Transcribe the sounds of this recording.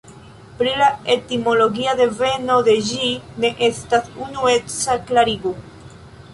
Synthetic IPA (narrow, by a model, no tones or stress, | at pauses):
pɾilae̞timo̞lo̞ɡiad̪e̞ve̞no̞d̪e̞d͡ʒine̞ʔe̞stasunue̞t͡saklaɾiɡu